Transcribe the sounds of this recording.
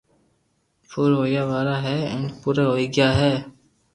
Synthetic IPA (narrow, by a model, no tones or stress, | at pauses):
fʰʊɾɦoːjaʋaːɾaɦɛːɛ̰̃npʊɾeɦoːiɡɪjaːɦɛː